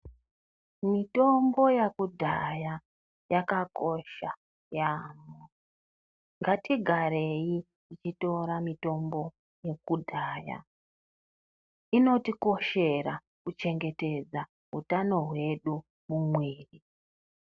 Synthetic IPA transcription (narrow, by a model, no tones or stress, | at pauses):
mito̞mbo̞jakudʱaja | jakako̞ʃa | jamo | ŋɡatiɡʱaɾe̞ji | it͡ʃito̞ɾamito̞mbo̞ | je̞kudʱaːja̰ | ino̞tiko̞ʃe̞ra | kut͡ʃe̞ŋɡe̞te̞d͡za | ɦutano̞ɦwe̞ɗu | mumweːri